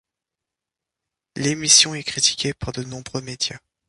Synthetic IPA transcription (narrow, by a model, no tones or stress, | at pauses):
lemisjɔ̃ɛkχit̪i̥kʲepaʁd̪ənɔ̃bʁømed̪ja